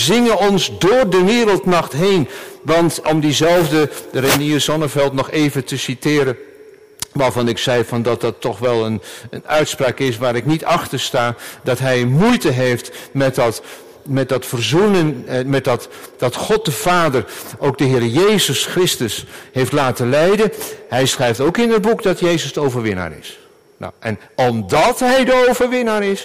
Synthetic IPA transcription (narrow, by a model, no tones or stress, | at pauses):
zɪŋənɔnzdʊːrdəʋɪːɾəlˠtnɑχtɦejnʋɑntɔmdizɛlˠvdəreniəzɔnəvɛlˠtnɔχeːvətəsitɪːɾən | ʋaːrvɑnɪksɛjvɑndɑt̚dɑtʰːɔχʋɛlˠənənœɥtspraːkɪs̬ʋaːɾɪknitɑxtəɹstaːdɑtɦɛjmujtəɦejftmɛtt | mɛt̚dɑtfərzunənmɛt̚dɑtd̥ɑtχɔt̚dəv̥aːdərowk̚dəɦɪːɾəjejzəsχrɪstəshejftlaːtəlɛjdəɦɛjsχrɛjftowkɪnət̚bukdɑtjejzəsdəowvəɹʋɪna̰ːɾɪ̰s | na̰ʔɛnɔmdɑtɦɛjdəowvəɹʋɪnaːɾɪs